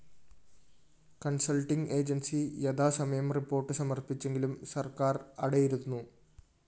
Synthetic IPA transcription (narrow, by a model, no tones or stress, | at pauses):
kɐnsɐlʈiŋɡe̞ːd͡ʑɐnsijɐd̪aːsɐmɐjɐmripːo̞ːrʈːɨsɐmɐrpit͡ɕːe̞ŋɡilumsɐrkaːrɐɽɐjiɾunːu